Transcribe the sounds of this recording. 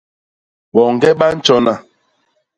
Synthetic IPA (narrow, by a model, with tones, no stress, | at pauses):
ɓɔ˨ŋ˨ɡɛ˦ɓa˦n̩˦t͡ʃɔ˦na˨